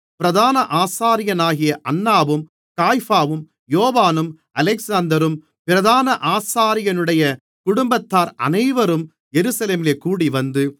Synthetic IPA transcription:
pɪɾɐðaːnɐʔaːsaːɾɪjɐnaːɣɪjɐʔɐnːaːʋɯm | kaːjfaːʋɯm | joːʋaːnɯm | ɐlɛksaːnd̪ɐɾɯm | pɪɾɐðaːnɐʔaːsaːɾɪjɐnɯɽɐjɐ | kʊɽʊmbɐt̪ːaːɾɐ̰nɐɪʋɐɾɯm | jɛɾɯsɐleːmɪleːkuːɽiʋɐnd̪ɯ

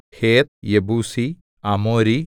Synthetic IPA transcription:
heːt̪̚jebuːsi | ɐmoːɾi

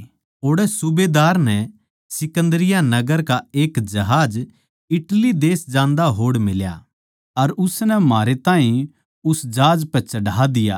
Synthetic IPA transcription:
oːɽɛsʊbeːd̪aːɾnɛ | sɪkə̃nd̪əɾɪjanɐɡəɾkaeːkd͡ʒɐɦaːd͡ʒ | ɪʈlid̪eːsd͡ʒãːnd̪aɦoːɽmɪlja̰ | ɐɾʊsnɛmaːɾet̪aːɦĩ | ʊsd͡ʒaːd͡ʒpɛt͡ʃɐɽaːd̪ɪja̰

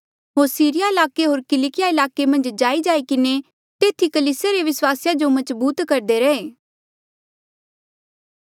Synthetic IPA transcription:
ɦoːɾsiːɾɪjaɪlaːkeɦoːɾkɪlɪkɪjaɪlaːkemɐ̃nd͡ʒd͡ʒaːid͡ʒaːikɪne | t̪eːt̪ʰikɐliːsjaɾeʋɪswaːsjad͡ʒomɐd͡ʒbuːt̪kɐɾd̪eɾɐeː

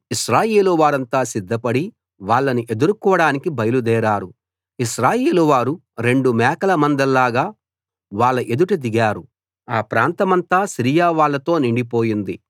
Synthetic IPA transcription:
iʃɾaːjeːluʋaːɾɐnt̪aːsid̪ʱːɐpɐɽi | ʋaːɭːɐniʔe̞d̪uɾukɔːʋɐɽaːnikibɐjɐlud̪ɛːɾaːɾu | iʃɾaːjeːluʋaːɾu | ɾe̞ɳɖumɛːkɐlɐmɐnd̪ɐlːaːɡaː | ʋaːɭːɐʔe̞d̪uʈud̪iɡaːɾu | aːpɾaːnt̪ɐmɐnt̪aːsiɾijaːʋaːɭːɐt̪o̞ːniɳɖipo̞ːjind̪i

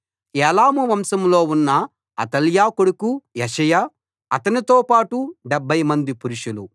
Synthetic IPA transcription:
ɛːlaːmuʋɐmsɐmlo̞ːunːɐ | ɐt̪ɐljaːkoɽukujeʃɐjaː | ɐt̪ɐnit̪oːpaːʈuɖɛbʱːɐjmɐnd̪ipuɾuʂulu

